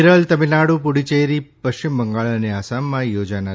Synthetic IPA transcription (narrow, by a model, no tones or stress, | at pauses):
ɾəlt̪əminaɽupuɽit͡ʃejɾipəɕt͡ɕɪmbəŋɡaɭəneasamːãjod͡ʒana